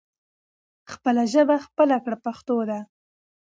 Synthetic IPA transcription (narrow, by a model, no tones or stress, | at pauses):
xpəlaʒəbaxpəlakɽapaxt̪od̪a